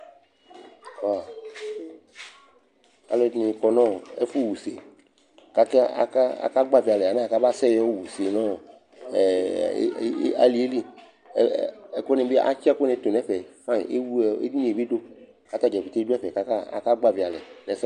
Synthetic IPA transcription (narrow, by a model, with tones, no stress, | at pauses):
wa˨ | a̰˨lɛ˦nĩ˨kɔ˨nɔ̃˦ḛ˦fu˦˨wu˨se˨ | ka˦kɛ˦a̰˨ka˦a̰˨ka˦ɡ͡ba˦vi˨a˨lɛ˨a˨na˦˨ka˦ba˦sɛ˦jɔ˦wu˨se˨nɔ̃˦˨˦ | a̰˨˦li˨˦e˦li˦˨ | ko˦nɛ̃˨be˦ʔa̰˦t͡ʃi˦a˦ko˦nɛ̃˨˦t̪o˨nɛ̃˦fɛ˨fã˦ḭ˨ḛ˦wu˦˨ḛ˦di˦nĩ˨e˨be˦do˦ | ka˦t̪a˦d͡ʒɛ˨vi˨t̪e˦du˦ɛ˦fɛ˨ka˦ka˦a̰˨ka˦ɡ͡ba˦vi˨a˨lɛ˨nɛ̃˨s